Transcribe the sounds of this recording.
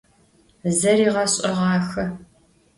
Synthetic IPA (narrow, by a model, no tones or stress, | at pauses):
zɐriːʁɐɕʼɐʁɑːxɐ